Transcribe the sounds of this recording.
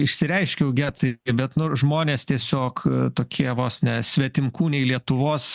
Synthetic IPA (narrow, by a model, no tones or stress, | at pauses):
ɪʃʲsʲɪɾʲɛɪʃʲkʲɛjʊɡʲæːt̪ɐɪbʲɛt̪nʊʒmoːnʲeːst̪ʲiɛsʲoːkt̪oːkʲʰiɛʋoːsnʲɛsʲʋʲɛt̪ʲɪmkuːnʲɛɪlʲiɛt̪ʊʋoːs